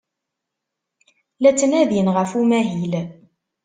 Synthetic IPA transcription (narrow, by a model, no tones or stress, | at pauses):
læt͡sːnæðinʁəfumæɦil